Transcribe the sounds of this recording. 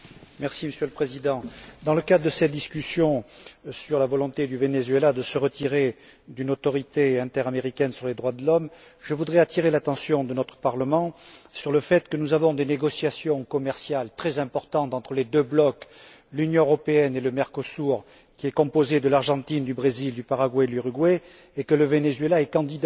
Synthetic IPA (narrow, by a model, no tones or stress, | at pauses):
mɛʁsiməsjøləpχezid̪ɑ̃d̪ɑ̃ləkad̪ʁəd̪əsɛt̪̚d̪iskʲysjɔ̃syʁlavɔlɔ̃t̪ed̪yvenezɥelad̪əsəʁət̪iʁe | d̪ynot̪ɔʁit̪eɛ̃t̪ɛʁameʁikʲɛnsyʁled̪ʁwad̪əlɔm | ʒəvud̪ʁɛat̪iʁelat̪ɑ̃sjɔ̃d̪ənɔt̪χə̥paʁləmɑ̃syʁləfɛt̪kənuzavɔ̃d̪eneɡɔsjasjɔ̃kɔmɛʁsjalt̪χɛzɛ̃pɔʁt̪ɑ̃t̪ɑ̃t̪χəled̪øblɔk | lynjɔ̃øʁɔpeɛneləmɛʁkɔsuʁ | kʲiɛkɔ̃pozed̪əlaʁʒɑ̃t̪ind̪ybʁezild̪ypaʁaɡwaelyʁyɡwɛ | ekələvenezɥelaɛkɑ̃d̪id̪